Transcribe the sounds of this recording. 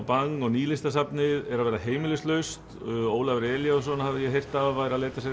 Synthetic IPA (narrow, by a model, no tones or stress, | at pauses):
paŋŋːɔɣniːlɪst̪asapnɪðɛɾaðvɛːɾaɦeːjmɪlɪst̪lœɥst̪ | oːwlavɾɛːljas̬ɔnːhavðɪjɛɦejr̥t̪avajɾaðleːjt̪asɛ